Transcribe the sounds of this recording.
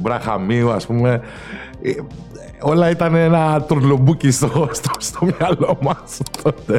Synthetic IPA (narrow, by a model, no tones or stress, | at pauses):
bɾɐxamiuɐspume̞ | i | o̞lɐit̪ɐneenɐt̪uɾlobucist̪ost̪ost̪o̞mɲɐlo̞mɐsop̪ot̪e